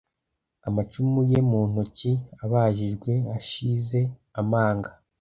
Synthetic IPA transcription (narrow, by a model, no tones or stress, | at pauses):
amat͡ʃumuje̞muːn̥uciaβaːʒiʒɡwe̞aʃize̞amaːŋɡa